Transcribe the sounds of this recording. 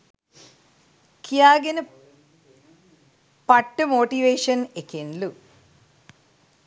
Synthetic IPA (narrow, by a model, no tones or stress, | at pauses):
kijaːɡɐnɨ | pɐʈːɨmoːʈiʋeːʂɐnekenlu